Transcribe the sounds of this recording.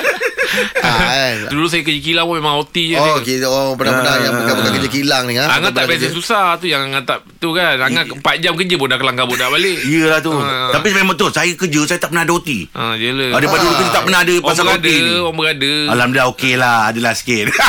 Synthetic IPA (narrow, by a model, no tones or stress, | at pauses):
sədulʊsajək̬əd͡ʒəkilaŋomemãŋot̪id͡ʒəkiopənapənaŋjauabəkakəd͡ʒəkilaŋniaaŋaaʔbasasusaht̪ujaŋaŋat̪aʔ | t̪ukanaŋaəmpat̪̚d͡ʒamkəd͡ʒəbodakəlaŋkabʊʔdaʔbaleʔijəlaht̪ut̪ap̬imemaŋt̪osajəkəd͡ʒəsajət̪aʔpənahadəɦot̪ḭʔa̰d͡ʒələadəpaduluk̪ut̪aʔpːənaadəpabsaəkatdiɔŋbəɡadəalamdaɦokelahadəlahsken